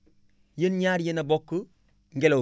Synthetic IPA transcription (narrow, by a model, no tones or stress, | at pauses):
jenɲaɾjenabokːu | ŋɡelo